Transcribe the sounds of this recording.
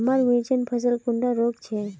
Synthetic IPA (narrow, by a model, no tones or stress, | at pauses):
maɾʋit͡ʃənpʰəs̬əlkʊɳɖaɾoːkt͡ʃʰe